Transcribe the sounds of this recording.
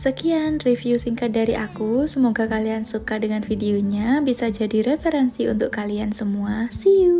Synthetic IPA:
səkianrifjusiŋkat̪̚daɾiʔakusəmoɡakaliansukadəŋanfideoɲabisad͡ʒadiɾefəɾɛnsiṵnt̪ʊkːaliansəmuasiu

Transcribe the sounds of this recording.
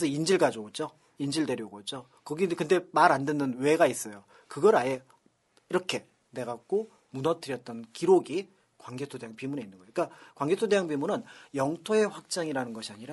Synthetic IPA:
esʰʌind͡ʑiɭɡad͡ʑoɡot͡ɕ͈o | ind͡ʑiɭde̞ɾjʌɡot͡ɕ͈o | kʌɡikɯnde̞maɾandwenːɯnwe̞ɡais͈ʌjo | kɯɡʌɾaje | iɾʌkʰe̞ | ne̞ɡak̚k͈o | munʌt͈ɯɾjʌt̚t͈ʌnkiɾoɡi | kwaŋɡe̞tʰode̞jaŋpimune̞inːɯnɡʌoik͈akwaŋɡetʰodejaŋpimunɯnjʌŋtʰoe̞ɸwak̚t͡ɕ͈aŋiɾanɯnɡʌɕʰiaɲiɾa

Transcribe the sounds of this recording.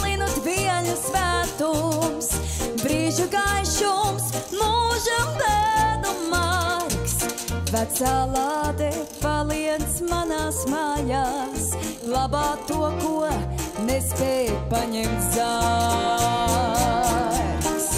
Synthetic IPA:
linud̪viɛʎusvæːt̪ums | bɾiːʒuɡajʃumsmuʒɐmbæːnumaɾksvæt̪saːlˠaːd̪ɛpalˠiɛd̪smanaːsmaːjaːs | lˠabaːt̪uɔkuɔnɛspɛːjpaɲɛmt̪za | s

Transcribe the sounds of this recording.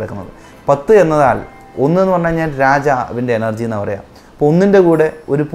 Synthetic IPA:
ɽɐkːunːɐ̰ðɨ̰ | pɐt̪ːɨe̞nːɐðaːl | o̞nːɨe̞nːupɐrɐɲːaːmɲaːnɾaːd͡ʑaʋinde̞ːnɐrd͡ʑijnːɐpɐrɐja̰ːm | ɐpːoonːinde̞kuːɽe̞oɾup

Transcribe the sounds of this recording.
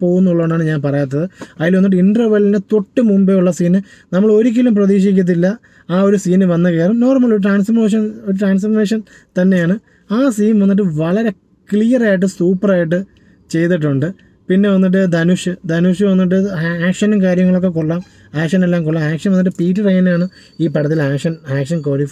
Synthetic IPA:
po̞ːɣunːuɭːɐʋeɳɖaːɳɨɲaːnpɐrɐjat̪ːɐðɨɐjjiːlʋɐnːiʈ̬ːɨiɳɖrɐʋɐlinet̪oʈːɨmumbeuɭːɐsiːnɨ | nɐmːɐɭo̞ɾik̬ʲːilumprɐðiːʂ̬ikʲːut̪̬ːilːɐ | aːo̞ɾusiːnɨʋɐnːɐkeːɐɭɐmno̞ːrmːɐɭːoɾuʈraːnsfɐrmeːʂ̬ɐnoɾuʈraːns̬fɐrmeːʂɐn | t̪ɐnːe̞jaːɳɨ | aːsiːnʋɐnːiʈ̬ːɨʋɐɭɐɾe̞ | kɭijɐraːjiʈːɨsuːpːɐraːjiʈ̬ːɨ | t͡ɕe̞jt̪ːiʈ̬ːuɳɖɨ | pinːe̞ʋɐnːiʈ̬ːɨd̪ɐnuʂɨd̪ɐnuʂɨʋɐnːiʈ̬ːɨaːkʂɐnumkaːɾjɐŋːɐɭo̞kːek̬oɭːaːm | aːkʂɐnelːaːmkoɭːaːmaːkʂɐnmʋɐnːiʈ̬ːɨpiːʈːɐrejnaːɳɨ | iːpɐɽɐt̪̬ːilaːkʂɐnaːkʂɐnkoːlif

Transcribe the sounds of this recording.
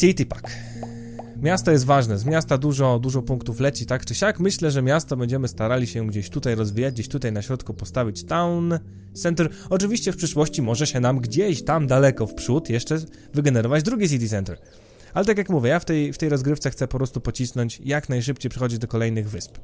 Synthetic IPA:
sʲit̪ʲipak | mʲjast̪ɔjɛst̪vaʐnɛzmʲjast̪ad̪uʐɔd̪uʐɔpuŋkt̪uflɛt͡ɕit̪akt͡ʂɘɕakmɘɕlɛʐɛmʲjast̪ɔbɛɲd͡ʑɛmɘst̪aɾalʲiɕɛɡd͡ʑeɕt̪ut̪ajɾɔzvʲijad͡ʑɡd͡ʑeɕt̪ut̪ajnaɕɾɔt̪kupɔst̪avʲit͡ɕt̪awn | sɛnt̪ɛɾɔt͡ʂɘvʲiɕt͡ɕɛfpʂɘʂwɔɕt͡ɕimɔʐɛɕɛnamɡd͡ʑeɕt̪amd̪alɛkɔfpʂut̪jɛʂt͡ʂɛ | vɘɡɛnɛɾɔvad͡ʑd̪ɾuɡʲis̬ʲit̪̬ʲisɛnt̪ɛɾ | alɛt̪ak̬ʲjakmuvʲjɛjaft̪ɛjft̪ɛjɾɔzɡɾɘft̪sɛxt̪sɛpɔpɾɔst̪upɔt͡ɕisnɔɲt͡ɕjaknajʂ̬ɘpt͡ɕejpʂɛ̥xɔd͡ʑid̪ɔkɔlɛjnɘɣvɘsp

